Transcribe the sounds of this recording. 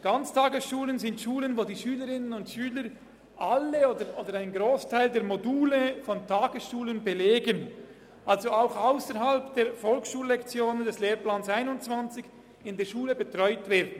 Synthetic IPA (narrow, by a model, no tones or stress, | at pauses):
ɡ̥ant͡stʰaːɡəsʃuːlənzɪntʃuːlənvoːdiːʃyːləɾɪnənʊntʃyːləɾ | ʔaləoːdəɾʔoːdəɾaɪnɡɾoːstʰaɪldeːɐɾmoduːləfɔntʰaːɡəsʃuːlənbeleːɡən | ʔalzoaʊxaʊsəɾɦalpd̥eːɐɾfɔlksʃuːlːɛkt͡sjoːnəndɛsleːɾplaːnsaɪnʊnt͡sv̥ant͡sɪç̥ | ɪndeːɐʃuːləbetʁ̥ɔʏtv̥ɛːɐdn̩